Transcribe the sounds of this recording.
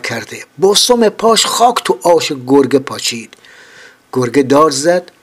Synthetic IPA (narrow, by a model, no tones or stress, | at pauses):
kʰæɾd̪ebosomepʰɔːʃχɒːkt̪ʰuʔɒːʃeɡoɾɡepʰɒt͡ʃʰiːd̪̥ | ɡ̥oɾɡed̪ɔːɾzæd̪̥